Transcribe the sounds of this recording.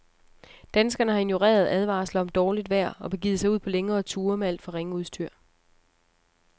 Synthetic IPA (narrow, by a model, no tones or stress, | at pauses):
d̥ænsɡ̥ɐnəɦɑ̈i̝njo̝ʁḛːɐð̞̩ˠæð̞ˠʋɑ̰̈slɐɒ̽md̥ɒːlid̥ʋæɐ̰ɒ̽b̥e̝ɡiːðˠsɑ̈ɪuð̰ˠpʰɒ̽leŋɐːt͡sʰuːɐmeæl̰d̥fɒʁeŋəuðˠsd̥ʰyɐ̰